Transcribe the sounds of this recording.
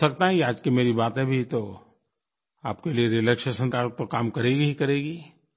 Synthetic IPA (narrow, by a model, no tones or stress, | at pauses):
sɐk̚t̪aɦɛ̃iaːd͡ʒkimeːɾibaːt̪ẽbʱit̪o | a̰ːpkelieɾiləkʃəsɐ̃nt̪aːɾək̚pɐkaːmkɐɾeːɡikɐɾeːɡiː